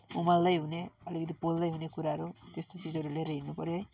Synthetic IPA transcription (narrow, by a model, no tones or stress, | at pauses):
umalːʌjɦuneʌlikʌt̪̬ipoldʌjɦunekuɾaɦʌɾut̪est̪ot͡sid͡zʌɾuleɾeɦinːupʌɾjoj